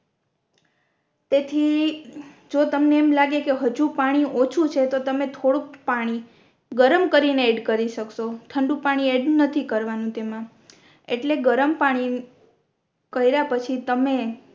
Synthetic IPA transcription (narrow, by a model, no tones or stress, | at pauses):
t̪et̪ʰi | d͡ʒot̪əmneːmlaɡekeɦəd͡ʒũpaɽ̃iʔot͡ʃʰut͡ʃʰet̪ot̪əmet̪ʰoɽũk̚paɽ̃i | ɡəɾəmkəɾineɛɖkəɾiʃəkʃoʈ̪ʰəɳɖũpaɽ̃ieɖnət̪ʰikəɾʋanũt̪emã | eʈleɡəɾəmpaɽ̃i | kəiɾapət͡ʃʰit̪əme